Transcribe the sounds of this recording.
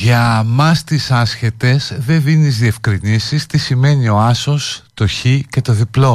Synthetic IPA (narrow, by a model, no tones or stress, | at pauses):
ʝɐmɐst̪isɐsçe̞t̪e̞zðe̞ðinizðie̞fkɾinisist̪isime̞nio̞ɐso̞st̪o̞çice̞t̪o̞ðiplo̞